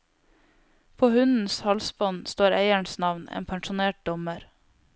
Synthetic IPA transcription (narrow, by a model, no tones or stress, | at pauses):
pʰoːhʉnn̩shɑlsbɔnst̪oːɾeɪəɳsnɑʋnḛːnpʰæŋʃʊneːʈ̚d̪ɔməɾ